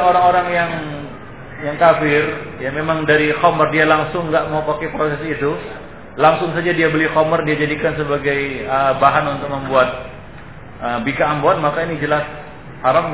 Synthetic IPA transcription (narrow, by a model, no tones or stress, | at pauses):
oɾaŋoɾaŋjaŋ | jaŋkafɪrjamemaŋdaɾikomərdialaŋsʊŋːɡaʔmaupakepɾosɛsit̪u | laŋsʊŋsad͡ʒadiabəlɪkomərdiad͡ʒadikansəbaɡajəbaɦanunt̪ʊk̚məmbuat̪̚ | ʔəbikaːmbɔat̪̚makainid͡ʒəlas | haɾam